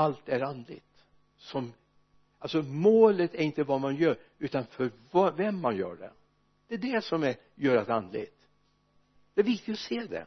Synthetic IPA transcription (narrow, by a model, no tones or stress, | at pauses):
alt̪æɾand̪lɪ̰ɡt̪ | sɔm | alsɔmoːlət̪æɾɪnt̪əvɑmanjœːɾ | ʉ̟ːt̪anfœɾvvɛmːanjœ̰ːɖɛ̰ | d̪̥ɛːd̪ɛsɔmæ | jœːɾat̪and̪lɪ̰ɡt̪ | d̪̥ɛːvɪk̚t̪ɪkt̪ɔseːd̪ɛ̰